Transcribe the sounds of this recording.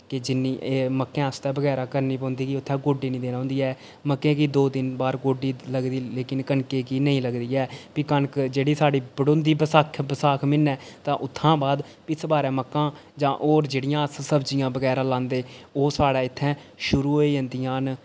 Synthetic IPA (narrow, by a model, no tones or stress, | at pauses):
kɪd͡ʒɪnːiːʔeːməkːẽːəst̪ɛːbəɡɛːɾaːkəɾniːpɔ̃ːnd̪iːkiʊt̪ʰːɛ̃ːɡoːɖiːnĩːd̪eːnãːnd̪iːɛː | məkːẽːkiːd̪oːd̪ɪnbaːɾɡoːɖiːləɡd̪iːleːkɪnkənkeːkiːnəĩːləɡd̪iːɛːpiːkənkd͡ʒeːɽiːsaːɖiːbəɽõːnd̪iːbəsaːkʰbəsaːkʰmɪnːɛ̃ːt̪ãːʔʊt̪ʰːãːbaːd̪ | pɪsbaːɾɛ̃ːməkːãːd͡ʒãːʔoːɾd͡ʒeːɽɪjãːssəbd͡ʒɪjãːbəɡɛːɾãːlãːnd̪eːoːsaːɽaːɪt̪ʰːɛ̃ːʃʊɾuːɦoːiːə̃ːnd̪ijãːn